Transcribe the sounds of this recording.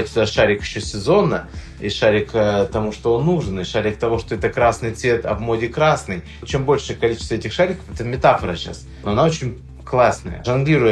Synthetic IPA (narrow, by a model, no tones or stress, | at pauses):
t̪ʲsʲʊd̪aʂaɾʲɪkɪɕːosʲɪzo̞nːə | iʂaɾʲɪkt̪ɐmuʂt̪oonːuʐɨnɪʂaɾʲɪk̚t̪ɐvo̞ʂt̪oɛt̪əkɾasnɨjt̪svʲet̪ɐ̰vmo̞dʲɪkɾasnɨj | t͡ɕembo̞lʲʂɨjəkɐlʲit͡ɕɪ̥st̪əɛtʲɪxʂaɾʲɪkə̥fɛt̪əmʲɪt̪afəɾəɕa̰s | noɐnaot͡ɕɪnʲ | klˠasnəjə̰ʐɐnɡlʲiɾʊjɪ